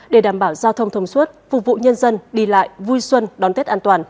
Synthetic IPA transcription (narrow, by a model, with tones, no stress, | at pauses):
ɗe˧˩ɗaː˧˩mɓaː˧˩wzaː˧wt̪ʰə˧wŋ͡mt̪ʰə˧wŋ͡mswə˦˥t̚vṵ˧˨vṵ˧˨ɲə˧nzə˧nɗi˧la̰ː˧˨jvu˧jswə˧nɗɔ˨˦nt̪e˦˥t̚ʔaː˧nt̪waː˨˩n